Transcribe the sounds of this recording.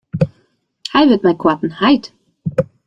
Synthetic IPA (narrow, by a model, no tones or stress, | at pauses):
hajvət̚majkʰwatn̩hajt